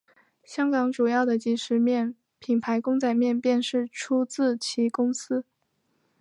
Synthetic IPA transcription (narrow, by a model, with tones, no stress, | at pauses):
ɕjɑ˥ŋkɑ˧˥ŋʈ͡ʂu˨˩jɑ˥˩ʊd̪ə˩t͡ɕi˧˥ʂɻ̩˧˥mjɛ˥˩n | pʰi˨˩npʰa˧˥ɪkʊ˥ŋt͡sa˥˩ɪmjɛ˥˧npjɛ˥˧nʂɻ̩˥˩ʈ͡ʂʰu˥t͡sɹ̩˥˩t͡ɕʰi˧˥kʊ˥ŋsɹ̩˥